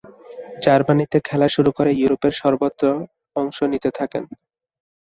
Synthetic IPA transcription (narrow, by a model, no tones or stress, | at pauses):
d͡ʑaɾbanit̪ekʰɛlaʃuɾukoɾejuɾopeɾʃɔɾbot̪ːɾo | ɔŋʃonit̪et̪ʰakḛn